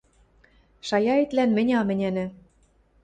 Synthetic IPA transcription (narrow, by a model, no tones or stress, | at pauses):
ʃɑjɑet̪lænmɘ̆nʲɑmɘ̆nʲænɘ̆